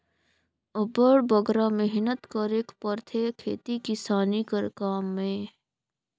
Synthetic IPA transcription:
əbəɽbəɡɾamɛɦnət̪kəɾeːkpəɾt̪ʰekʰḛːt̪ikɪsaːnikəɾkaːmːẽ

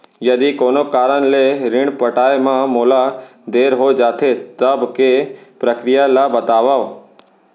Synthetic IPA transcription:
jɐd̪ikoːnokaːɾənleɾɪɽ̃pəʈaːemãmoːlad̪eːɾɦod͡ʒaːt̪ʰet̪əbkepɾəkɾijalabət̪aːʋaʋ

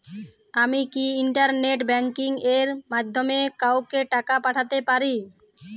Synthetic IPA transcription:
amikiiɳʈaɾneʈbɛŋkiŋeɾmad̪ʱːomekawkeʈakapaʈʰat̪epaɾi

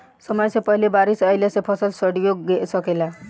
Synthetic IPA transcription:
sʌmʌjsẽpʌɦilebaɾisʌjlesepʰʌsʌlsʌɽijoɡɡesʌkela

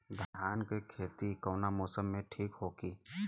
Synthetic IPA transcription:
d̪ʱaːnkekʰeːt̪ikoːnamɔːsəmːẽʈʰiːkɦoːɡiː

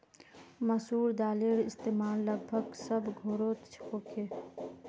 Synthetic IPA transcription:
məsuːɾd̪aːleːɽɪst̪eːmaːlːəɡ̚bʱəɡsəbɡʱoːɾoːt̪t͡ʃʰkoːkeː

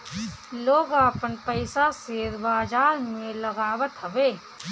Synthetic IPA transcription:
loːɡaːpənpəɪsaseːɾbaːd͡ʒaːɾmẽlɐɡaːʋət̪ɦɐʋeː

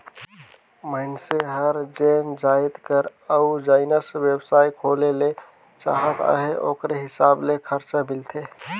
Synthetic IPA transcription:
mənseɦəɾd͡ʒend͡ʒaid̪kəɾəud͡ʒaɪnəsbjebsaikʰolele | t͡ʃa̰ɦət̪a̰ɦeʔokɾeɦisablekʰəɾt͡ʃamilt̪ʰe

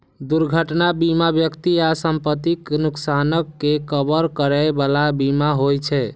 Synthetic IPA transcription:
d̪uɾɡʱəʈnabimabjəkt̪iasəmpət̪iknuksanəkːekəbəɾkəɾɛbalabimaɦojt͡ʃʰɛ

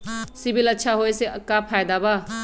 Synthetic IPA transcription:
sibilɐtt͡ʃʰaɦojseɐkːapʰajd̪abɐ

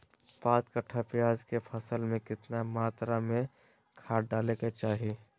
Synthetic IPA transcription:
paːt̪kəʈʰapɪjaːd͡ʒkepʰəsəlmẽkɪt̪namaːt̪ɾamẽ | kʰaːʈɖaːleket͡ʃaːɦie

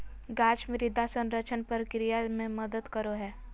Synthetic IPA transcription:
ɡaːt͡ʃmẽɾɪd̪ʱasə̃nɾət͡ʃʰənpəɾkɾijamẽməd̪əd̪kəɾoɦɛː

